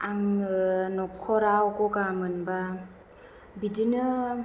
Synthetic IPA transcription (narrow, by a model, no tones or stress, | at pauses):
aŋnɔkʰɔɾawkɔkamɯnba | bidinɯ